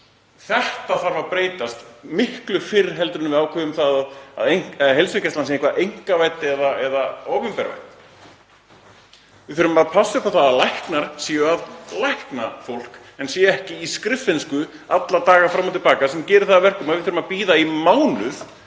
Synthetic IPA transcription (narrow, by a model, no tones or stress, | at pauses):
θɛht̪aθaɾvapɾeːjt̪ast̪mɪhklʏfɪɾɪɾ̥ɦɛlt̪ɾʏnmvɪðaːwkʰvɛvʏmθaðaða̰ðejŋɦelsʏcɛst̪lansẽŋkvaʔejŋ̥kavajt̪ɛðaɛðaoːwvɪmpɛɾva̰jt̪ | vɪθʏɾʏmaðpʰasʏpʰaθaðalajhknaɾ̥sijʏaðlajhknafowl̥k | ɛnsjɛɛhcɪːskɾɪfɪnskʏ | at̪lat̪aːɣafɾamːat̪ɪlpaːkasɛmcɛːɾɪɾθaðːvɛr̥kʏmaðvɪðθʏɾʏmaðpiːðaimaːwnʏθ